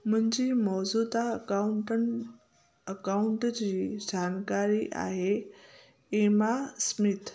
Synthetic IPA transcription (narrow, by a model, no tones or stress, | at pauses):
m̤ənd͡ʑiːmɔzud̪aəkauɳʈən | əkauɳʈd͡ʑiːd͡ʑankaɾiʔa̰ɦe | imasmit̪